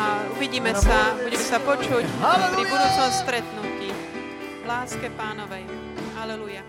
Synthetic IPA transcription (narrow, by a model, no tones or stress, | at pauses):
auʋiɟiːmɛsabuɟɛmɛsapɔt͡ʃucpɾibud̪uːt͡sɔmst̪ɾɛt̪nuciː | laːskɛpaːnɔʋɛj | alɛluja